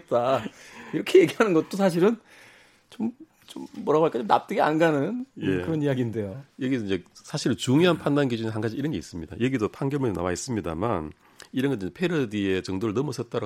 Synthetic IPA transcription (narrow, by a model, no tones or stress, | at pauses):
t̚t͈aiɾʌkʰeje̞ɡiɦanɯnɡʌt̚t͈osʰaɕ̬ʰiɾɯn | t͡ɕom | t͡ɕomːʌɾaɡoɲik͈at͡ɕomna̰p̚t͈ɯɡea̰nɡanɯnjekɯɾʌnijaɡinde̞jojʌɡid͡ʑe̞sʰaɕʰiɾɯnt͡ɕuŋjoɦanpʰandanɡid͡ʑuneɦanɡad͡ʑiiɾʌnɡe̞is͈ɯmɲida̰jʌɡidopʰaŋɡjʌmedona̰wais͈ɯmɲida̰man | iɾʌnɡʌnt͈ːid͡ʑepʰe̞ɾʌdie̞t͡ɕʌŋdoɾɯɭnʌmusʰʌt̚t͈aɾa